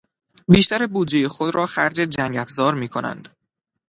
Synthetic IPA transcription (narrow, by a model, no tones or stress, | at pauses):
biːʃt̪æɾebuːd͡ʒejexo̞d̪ɾɒːxæɾd͡ʒed͡ʒæŋɡæfzɒːɾmiːkʰo̞næ̰nd̪̥